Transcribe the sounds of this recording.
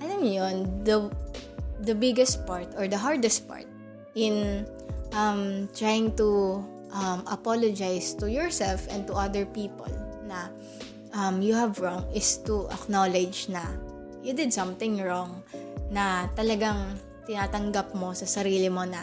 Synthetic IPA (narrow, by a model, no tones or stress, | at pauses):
ʔɐlɐmjond̪ɐ | d̪ɐbɪɡɛst̪̚paɹt̪ɔɹd̪ɐɦaɹd̪ɛst̪̚pa̰ɹt̪̚ | ʔɪn | ʔɐmt̪ɹajɪ̃ŋt̪u | ʔɐmʔɐpolod͡ʒajst̪ujɔɹsɛlfʔɛ̃nd̪̚t̪ʊʔɐd̪əɹpiːpo̰lnɐ | ʔɐmjuhɐvɹɔŋɪst̪uʔɐ̰knolɛd͡ʒnɐ | jud̪ɪd̪̚sɐ̃mt̪ɪ̃ŋɹɔŋnɐt̪ɐlɐɡaŋ | t̪ɪnaːt̪ɐŋɡɐp̚mo̞sɐsɐɾiːlɪmo̞nɐ